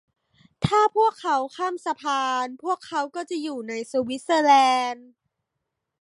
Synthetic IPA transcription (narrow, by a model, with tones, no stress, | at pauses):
t̪ʰaː˥˩pʰu˥˩əkʰːa˦˥wkʰaː˥˩msa˧pʰaː˧npʰu˥˩əkʰːa˦˥wkɔː˥˩t͡ɕa˨˩juː˨˩na˧jsuː˧wi˦˥t̪̚sɤː˧lɛː˧n